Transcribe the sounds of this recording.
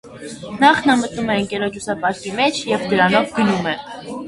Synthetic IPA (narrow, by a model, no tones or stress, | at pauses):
nɑχnɑmət̪numɛəŋkɛɾɔt͡ʃʰusɑpɑɾkimɛt͡ʃʰjɛvd̪əɾɑnɔvɡənumɛ